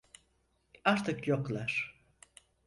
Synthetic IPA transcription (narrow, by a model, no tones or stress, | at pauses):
aɾt̪ʰɯkjoklˠaɾ̥